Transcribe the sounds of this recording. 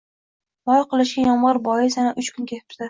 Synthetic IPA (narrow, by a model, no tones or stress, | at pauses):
mɒjqɨlˠɪʃɡʲajɒmʁɨɾbɒjɪsanaʔʊt͡ʃkʰʊnkʲʰet̪ʰɪ̥pt̪ɪ